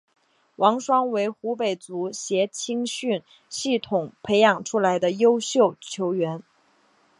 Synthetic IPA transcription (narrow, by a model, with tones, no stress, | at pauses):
wʔɑ˧˥ŋʂwɑ˥ŋwe˧˥ɪxu˧˥pe˨˩ɪt͡su˧˥ɕjɛ˧˥t͡ɕʰi˥ŋɕy˥˩n | ɕi˥˩t̪ʰʊ˨˩ŋpʰe˧˥ɪjɑ˨˩ŋʈ͡ʂʰu˥la˧˥ɪd̪ə˧jo˥ʊɕjo˥˩ʊt͡ɕʰjo˧˥ʊɥɛ˧˥n